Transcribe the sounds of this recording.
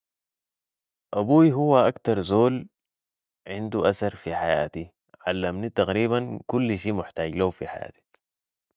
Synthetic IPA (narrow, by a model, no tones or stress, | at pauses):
ʔabuːiɦuwːaʔakt̪ɑɾˤzoːl | ʕɪnd̪uʔasɑɾˤfiħaja̰ːt̪i | ʕalːamnit̪ɑɣɾiːβankulːʃiːmʊħt̪aːɟlaufiħa̰ja̰ːt̪i̥